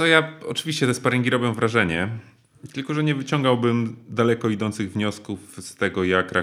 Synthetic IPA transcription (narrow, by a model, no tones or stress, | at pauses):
ɔjaɔ̰t͡ʂɘvʲiɕt͡ɕɛt̪ɛspaɾɛŋɡʲiɾɔbʲjɔ̃w̃vɾaʐɛɲɛ | t̪ɘlkɔʐɛɲɛvɘt͡ɕɔŋɡawbɘmd̪alɛkɔid̪ɔnt̪sɘɣvɲɔskufst̪ɛɡɔjakɾa